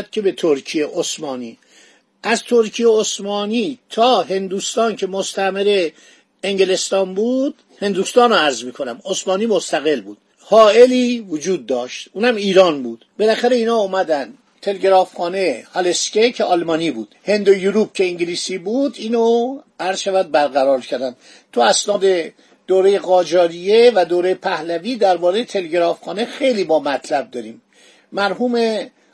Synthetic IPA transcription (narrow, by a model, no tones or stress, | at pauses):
d̪̥̚cʰe̞be̞t̪ʰoɾkʰijeʔosmɒːniː | ʔæzt̪ʰoɾkʰijeosmɒːniːt̪ʰɒːɦe̞nd̪uːst̪ɒːnkʰe̞most̪æmeɾe | eŋɟele̞st̪ɒːnbuːd̪̥ | he̞nd̪uːst̪ɒːnoæɾzmiːkʰonæmosmɒːniːmost̪æɣe̞lbuːd̪̥ | hɒːe̞liːvod͡ʒuːd̪̚ːɒːʃt̪ʔuːnhæmiːɾɒːnbuːd̪̥be̞læxæɾe̞iːnɒːomæd̪æn | t̪ʰe̞leɡeɾɒːfχɒːnejhɒlescecʰeɒlmɒːniːbuːd̪̥he̞nd̪ojuɾuːb̚cʰe̞iŋɟiliːsiːbud̪iːnoæɾzʃævæd̪̚bæɾɣæɾɒːɾcʰæɾd̪ænd̪̥ | t̪ʰuæsnɒːd̪e̞ | d̪̥oːɾejeɣɒːd͡ʒɒːɾijevæd̪oːɾejepʰæhlæviːd̪æɾbɒːɾejet̪ʰe̞leɡeɾɒːfxɒːnexe̞jliːbɒːmæt̪ʰlæb̚d̪ɒːɾiːmː | æɾɦuːme